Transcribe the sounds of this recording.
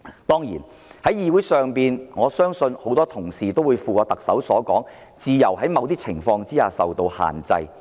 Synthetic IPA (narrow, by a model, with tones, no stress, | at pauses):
t̪ɔː˥ŋjḭː˨˩n | hɐ˨˥jjiː˧wu˨˥jsœː˨ŋpiː˨nŋɔː˨˧sœː˥ŋsɵ˧nho˨˥wt̪ɔː˥t̪ʰʊ˨˩ŋsiː˨t̪o˥wuː˨˧jfuː˨kaː˧t̪ɐ˨k̚sɐ̰˨˥wsɔː˨˥kɔː˨˥ŋ | t͡siː˧jɐ˨˩wɦɐ˨˥jmɐ˨˧wt̪iː˥t͡sʰɪ̰˨˩ŋfɔː˧ŋt͡siː˥haː˨sɐ˨wt̪o˧wha̰ː˨˩nt͡sɐ̰˧j